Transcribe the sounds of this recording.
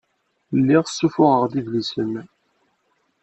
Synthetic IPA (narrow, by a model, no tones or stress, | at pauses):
lːiʁəsːufʊʁəʁðivlisən